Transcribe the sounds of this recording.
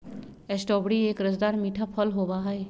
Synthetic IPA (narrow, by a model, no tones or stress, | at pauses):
ɛsʈɔːbɽieːkɾəd͡ʒd̪aːɾmiːʈʰapʰəlɦoːbaɦae